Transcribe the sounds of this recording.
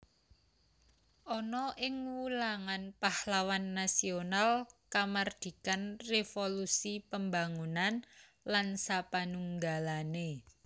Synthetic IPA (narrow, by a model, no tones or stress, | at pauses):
ʔɔnɔʔɪŋwulaŋanpahlawanːasionalkamard̪̥i̤kanrefolusipəmbaŋunan | lansapanuŋɡalane